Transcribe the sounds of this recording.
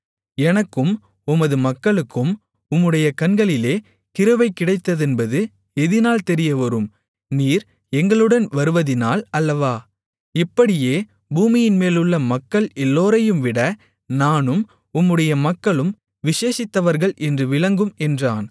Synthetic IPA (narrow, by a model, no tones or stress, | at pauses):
ɛnɐkːɯm | ʊmɐðɯmɐkːɐɭɯkːɯm | ʊmːɯɽɐjɐkɐnɡɐɭɪleː | kɪɾɯʋɐɪkːɪɽɐɪt̪ːɐðɛnbɐðɯ | ɛðɪnaːlt̪ɛɾɪjɐʋɐɾɯm | niːɾ | ɛŋɡɐɭɯɽɐnʋɐɾɯʋɐðɪnaːlɐlːɐʋaː | ɪpːɐɽɪjeː | buːmɪjɪnmeːlɯɭːɐmɐkːɐɭɛlːoːɾɐjɯmʋɪɽɐ | naːnɯm | ʊmːɯɽɐjɐmɐkːɐɭɯm | ʋɪʂeːsɪt̪ːɐʋɐɾɣɐɭʔɛndrɯʋɪlɐŋɡɯmɛndraːn